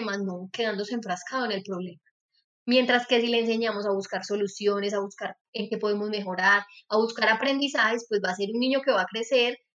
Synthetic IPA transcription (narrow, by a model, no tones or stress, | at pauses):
maznoke̞ðand̪o̞seɱfɾaskaðoene̞lpɾo̞βle̞ma | mje̞nt̪ɾaske̞sile̞ːns̬e̞ɲamo̞saβuskaɾso̞lusjo̞ne̞s̬aβuskaɾ | eŋke̞po̞ðe̞mo̞zme̞xo̞ɾaɾaβuskaɾapɾe̞nd̪isahe̞spwe̞zbas̬e̞ɾunːiɲo̞ke̞βaːkɾe̞se̞ɾ